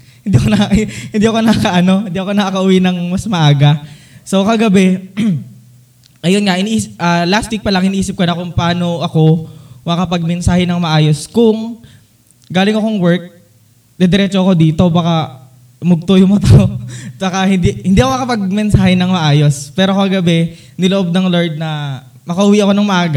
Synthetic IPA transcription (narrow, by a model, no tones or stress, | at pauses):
hɪnd̪iːɐkonɐhɪnd̪iːɐkonɐkakɐʔɐno̞hɪnd̪iːʔɐko̞nɐkakɐʔʊwinɐŋmɐsmɐʔaːɡɐso̞kɐɡɐbɛ | ʔɐjonŋɐʔɪnʔiːsʔɐlast̪wik̚pɐlɐŋɪniʔiːsɪp̚konɐkʊŋpɐaːno̞ʔɐko̞mɐɡakɐpɐɡ̚mɛnsaːhɪnɐŋmɐʔaːjo̞skʊŋ | ɡaːlɪŋɐkoŋwɛɹk̚ | d̪ɛd̪ɛɾɛːt͡ʃoɐko̞d̪iːt̪o̞baːka | mʊɡ̚t̪ojʊŋmɐt̪aobakɐhɪnd̪ihɪnd̪iːʔɐkoŋɐkɐpɐɡ̚mɛnsaːhɛnɐŋmɐʔaːjo̞spɛːɾo̞kɐɡɐbɛ | nɪloʔob̚nɐŋloɹd̪̚nɐ | mɐkɐhʊwiʔɐko̞nɐŋmɐʔaːɡɐ